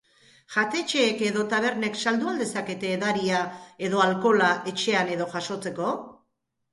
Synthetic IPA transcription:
ʝat̪e̞t͡ʃe̞ːke̞ðo̞t̪aβ̞e̞ɾne̞ksald̪uald̪e̞sake̞t̪e̞ːðaɾiae̞ðo̞alko̞laʔe̞t͡ʃe̞ane̞ðo̞ʝaʃo̞t͡se̞ko̞

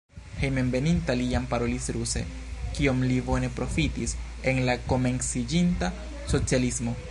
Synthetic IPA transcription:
he̞jme̞mbe̞nintaliampaɾo̞lisɾuse̞̰ | kio̞mlibo̞ne̞pɾo̞fitis | e̞nlako̞me̞nsid͡ʒinta | so̞t͡sialismo̞

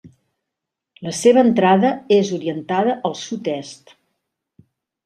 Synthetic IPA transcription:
ləseβəːnt̪ɾaðəezuɾiənt̪aðəʔəlˠsut̪ɛst̪

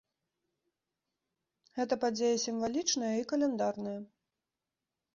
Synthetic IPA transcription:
ɣɛt̪ɐpad͡zʲejɐsʲimvalʲit͡ʂnɐjɐikɐlʲɛnd̪arnɐjɐ

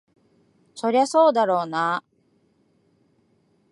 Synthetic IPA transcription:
so̞ɾe̞aso̞ːd̪aɾo̞ːna

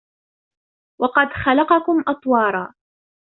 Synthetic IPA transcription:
wɑqɑd̪xalɑqɑkʊmʔɑt̪ˤwɑːɾˤɑː

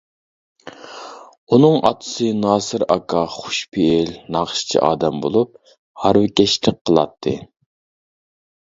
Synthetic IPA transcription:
unɨŋɑ̰t̪ʰɨ̥sɨnɑːsɨɾɑ̰kʰɑχʊ̥ʃpʰeːlnɑχʃt͡ʃʰḭʔɑ̰ːd̪ɛmbolˠup̚ | hɑɾwɪkʲɛʃlɪk̚ʲqʰəlˠɑ̰t̪ʰːɨ

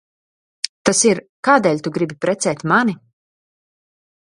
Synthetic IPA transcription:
t̪asiɾ | kaːd̪ɛːlʲt̪uɡɾibipɾɛt̪sɛːt̪ʲmani

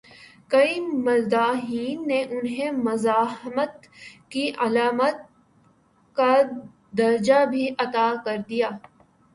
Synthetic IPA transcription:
kɐimɐld̪aːɦiːnːeʔʊnɦẽmʊzaːhmət̪ | kiɐlaːmət̪̚ | ka | d̪ɐɾd͡ʒabʱiʔɐt̪aːkɐɾd̪ijaː

